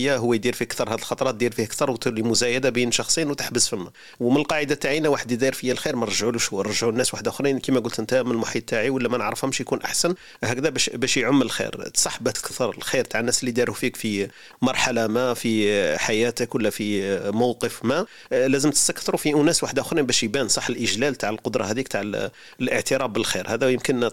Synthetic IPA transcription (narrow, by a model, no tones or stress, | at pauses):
jːaɦʊwːæjd̪iɾfiəkt̪ɑɾˤhæd̪əlxɑt̪ˤɑɾˤɑt̪̚d̪iɾfihækt̪ɑɾˤwt̪limʊzæjad̪abinʃɑxsˤijnwt̪ə̥ħbəsfimːæ | wmənəlqɑʕəd̪at̪ːaʕinawaħəd̪jəd̪iɾfəjːælxiɾmænɾˤʒʕluʃhuːɾˤʒʕunːæswaħəd̪æxɾinkimæɡʊlt̪ʔənt̪æmənəlmʊħit̪̚ːaʕiwəlːæmænəʕɾəfhæmʃjkunʔa̰ħsən | hækd̪æbæʃbæʃjʕʊmːələlxḭɾsˤɑħbæt̪lkt̪ɑɾˤlxiɾt̪aʕənːæsəlːid̪iɾufikfi | mɑɾˤħalamæfiħajæt̪əkwəlːæfimɑwqəfmæ | læzəmt̪ə̥st̪ækθɾufiʔʊnæswaħəd̪ʔʊxɾinbæʃjbænsˤɑħːəlʔəʒlælt̪aʕəlqod̪ɾˤɑhæd̪iək̚t̪ʰaʕə | lʔəʕt̪əɾæbːəlxḭɾhæd̪æjəmkən